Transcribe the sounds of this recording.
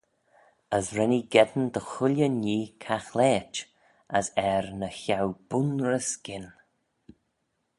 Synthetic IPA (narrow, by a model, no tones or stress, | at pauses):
əzɹɛniɡɛd̪nd̪əxʊlʲjəniːkʰaxlɛːt͡ʃ | əsɛɹnəçawb̥ʊnɹəsɡɪn